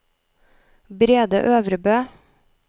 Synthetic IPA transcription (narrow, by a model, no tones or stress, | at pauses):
bɾeːd̪ə̰ʔøːʋɾəbøː